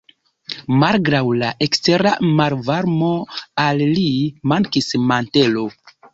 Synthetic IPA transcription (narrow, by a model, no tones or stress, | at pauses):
malɡɾawlaʔekste̞ɾamaɾvaɾmo̞alːimaŋkismante̞lo̞